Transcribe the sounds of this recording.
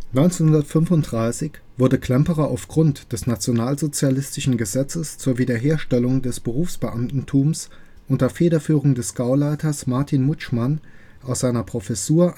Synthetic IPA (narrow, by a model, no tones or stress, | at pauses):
nɔʏnt͡senhʊndɐtfʏnfʊnt̚d̥ʁaɪsɪç | v̥ʊɐdəkl̥ɛmpəʁɐʔaʊfɡ̥ʁʊntd̥ɛsnat͡sjonaːlzot͡sjalɪstɪʃn̩ɡəzɛt͡səst͡suːɐviːdɐɦeːɐʃtɛlʊŋdɛsb̥əʁuːfsb̥əʔamtn̩tʰuːms | ʔʊntɐfeːɾɐfyːʁʊŋdɛsɡ̥aʊlaɪtɐsmaɐtʰinmʊt͡ʃman | ʔaʊsz̥aɪnɐpʁ̥ofɛsuːɐ